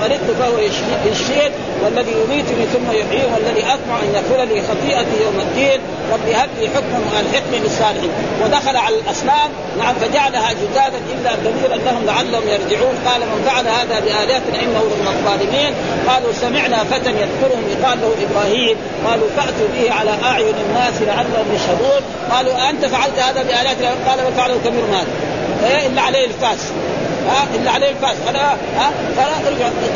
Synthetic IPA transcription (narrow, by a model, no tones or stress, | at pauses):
ʔanid̪̚t̪ufahwajʃjaʃːeːt̪ | walːaðijʊmiːt̪uniːθʊmːajʊħjiːmʔalːaðiʔasmaʕʔanjafulaliːxɑt̪ˤiːʔaijawmad̪ːiːn | ɾˤɑbːihalːiħʊkmʊnalħɪqmilsˤːɑːlɪħiːnwad̪axalaʕalalʔɑsˤnaːm | naʕamfad͡ʒaʕalahad͡ʒɪd̪aːd̪anʔɪlːaɡ̪aðiːɾʔanːahʊmlaʕalːahʊmjɑɾˤd͡ʒɪʕuːnqɑːlamanfaʕalahaːðabiʔaːlaːt̪naʔɪnːahulahːaq̪ˤɑːlɪmiːn | qɑːlusamɪʕnafat̪anjaðkʊɾhʊmjɪqaːlːahuʔɪbɾˤaːhiːm | qɑːlufaʔt̪ubiːhiʕalaʔaʕjʊnanːaːslaʕalːahʊmjaʃhabuːn | qɑːluʔant̪afaʕalt̪haːd̪abɪʔaːljaːt̪naqɑːlamanfaʕalahukabiːɾhumhaːd̪a | ʔeʔɪlːaʕaleːhalfaːs | haːʔɪlːaʕaleːhlfaːsʔana | aː | fɑɾaʔɾɡaʕ